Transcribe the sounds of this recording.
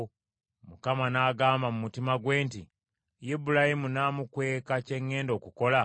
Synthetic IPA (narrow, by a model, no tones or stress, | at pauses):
mukamanaːɡaːmbamumutimaɡwe̞ːnti | jibulahimunaːmukwe̞ːkace̞ŋːe̞ːndo̞ːkuko̞la